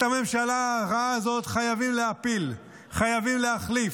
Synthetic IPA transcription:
tame̞mʃalaʁaaːzo̞t̪χajavimleapil | χajavimleaχlif

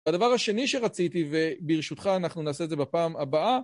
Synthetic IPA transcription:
ad̪avaʁhaʃe̞niʃe̞ʁat͡sit̪ivebiʁʃut̪χaːnaχnunaːse̞dzebepaːmabaʔa

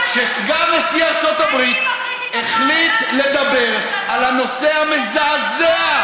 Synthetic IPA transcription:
ʃesɡanesiaʁt͡so̞t̪abʁit̪ | eχlit̪le̞d̪abe̞ʁ | alano̞se̞hamezaːzea

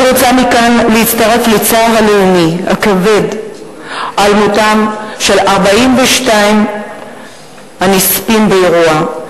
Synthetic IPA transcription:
ʁot͡samikanleit͡staʁe̞flet͡savaleumiha̰kave̞d | ʔalmotamʃe̞lʔaʁbaimveʃtaim | hanispimbeeʁua

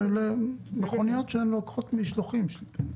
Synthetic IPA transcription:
elemeχonijot̪ʃeemlokχot̪miʃloχimʃl

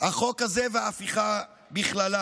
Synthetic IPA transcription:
aχo̞khazeveaːfiχa | biχlala

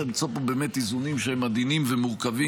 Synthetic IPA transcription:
emit͡sopobeːmetizunimʃeemːad̪inimvemuʁkavi

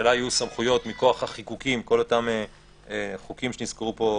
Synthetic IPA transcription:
elaajusamχujo̞tmiko̞aχhaχikukimko̞lo̞tame | eχukimʃeniskeʁupo̞

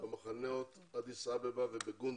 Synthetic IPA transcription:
amaχanɛɔt̪ | ad̪isabɛbavɪbeɡun

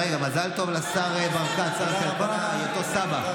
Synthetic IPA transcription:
ejɡamazalt̪o̞vlasaʁebaʁkasaʁkapa | ajot̪osaba

